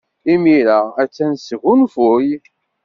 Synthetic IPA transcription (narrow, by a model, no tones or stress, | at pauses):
imiɾaæt͡sːænsəɣunfʊj